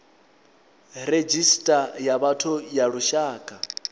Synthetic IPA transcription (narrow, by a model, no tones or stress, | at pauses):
red͡ʒistʼajaβatʰʊjaɺuʃaːkʼa